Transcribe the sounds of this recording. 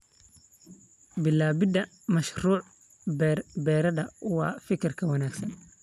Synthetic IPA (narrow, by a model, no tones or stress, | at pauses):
bɪlːaːbɪd̪ɐ | mɐʃruːʕ | bɛːɾɐðɐwɑ̰ːfɪkʰɐrkʰɐwɐnaːɡsɐn